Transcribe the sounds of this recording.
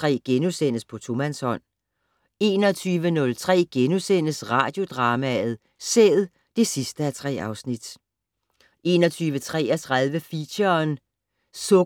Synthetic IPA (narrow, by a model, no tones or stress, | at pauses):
ʁɛ̰ːɡ̥enusen̰əspʰɒ̽t͡sʰo̝mænshɒ̽n̰ | e̝ːnɒ̽t͡sʰyːʋənɔ̽lt͡sʰʁɛ̰ːɡ̥enusen̰əsʁɑ̈ːd̥jo̝d̥ʁɑ̈ːmæð̞̩ˠ | sḛð̩ˠ | d̥e̝sisd̥əæt͡sʰʁɛ̰ːɑ̈ʊsnid̥ | ʔe̝ːnɒt͡sʰyːʋət͡sʰʁɛ̰ːɐt͡sʰʁɑðˠʋəfiɐːn | sɔ